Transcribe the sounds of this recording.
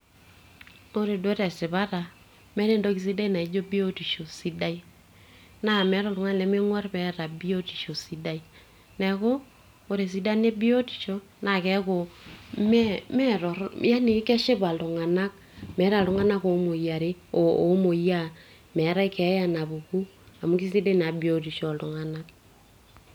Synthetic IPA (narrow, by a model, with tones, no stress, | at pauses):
o˦ɾe˨dwɛ˦ɾɛ˨sɪ˨βa˦ta˨ | mɛ˦ɾe˦ndo˦ki˨s̬i˦da˦i˦na˨i˨˦d͡ʒo˦bi˦o˦ti˨ʃo˨si˦da˦i˦ | na˦˨mɛ˨˦ɾɔ˨lʊ˨ŋa˦lɛ˨˦me˦ŋwɔ˦rmɛ˨ɾa˨bi˦o˦ti˨ʃo˨si˦da˦i˦ | nɛ˨ko˦ | o˦ɾe˨s̬i˨˦da˦ne˦bi˦o˦ti̥˨ʃo˦ | na˨kɛ˨˦ko˨mɛmɛ˦ɾɔ˨ɾja˦ni˨˦kɛ˦ʃe˦ba˨lʊ˨ŋa˨na˦k̚ | mɛ˨˦ɾa˨lʊ˨ŋa˦na˦ko˨˦mo˨ja˨ɾe˦o˨o˨˦mo˨ja˦ | mɛ˨˦ɾa˦i˦kɛ˨˦ja˨na˨bu˨ku˦ | a˨mu˦ki˦si˦de˦na˨bi˨˦o˦ti˨ʃɔ˨lʊ˨ŋa˨na˦k